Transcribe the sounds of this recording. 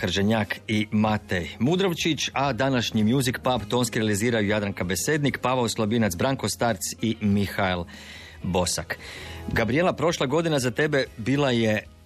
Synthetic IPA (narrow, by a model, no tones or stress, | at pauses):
xr̩d͡ʒeɲaːkimat̪ejmud̪ɾoʋt͡ʃit͡ɕad̪anaʃɲimjuzikpapt̪o̞ːnskiɾealiziːɾajujad̪ɾaŋkabe̞se̞ːd̪nikpaʋauslˠabinat̪sbɾaŋko̞st̪aɾt̪simixaelˠ | bo̞sakɡabɾije̞lapɾo̞ʃlˠaɡo̞d̪inazat̪e̞be̞biːlˠaje̞